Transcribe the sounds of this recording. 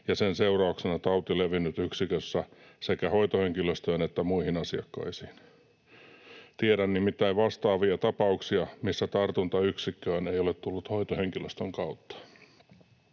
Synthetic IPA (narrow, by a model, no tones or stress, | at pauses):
jɑsenseurɑuksenɑt̪ɑut̪ileʋinːyt̪yksikøsːæsekæho̞it̪ohe̞ŋkiløst̪øːnet̪ːæmuihinɑsiɑ̰kːɑ̰isiːn | t̪ieɾænnimit̪ːæiʋʋɑst̪ɑːʋiɑt̪ɑpɑuksiɑmisːæt̪ɑrt̪unt̪ɑyksikːøːnejolet̪t̪ulːut̪hoit̪oheŋkiløst̪øŋkɑut̪ːɑ̥